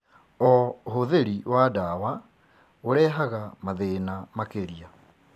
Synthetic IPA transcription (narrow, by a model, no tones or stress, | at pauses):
ɔɦoðeɾiwadawa | oɾɛːɦaɣamaðenamakeɾia